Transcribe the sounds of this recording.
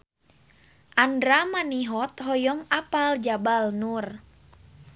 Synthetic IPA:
ʔandɾamaniɦɔt̪ɦɔjɔŋapald͡ʒabalnur

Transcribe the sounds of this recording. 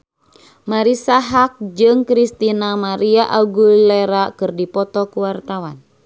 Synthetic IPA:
maɾisaɦak̚d͡ʒɨŋkɾist̪inamaɾiaʔaɡulɛɾakɨrdipɔt̪ɔkuwart̪awan

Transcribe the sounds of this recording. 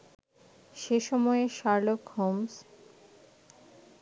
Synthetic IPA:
ʃeʃɔmɔeʃaɾlokhoms

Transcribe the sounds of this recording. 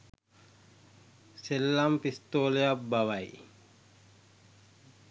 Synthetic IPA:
selːampist̪oːlejabbːɐʋɐj

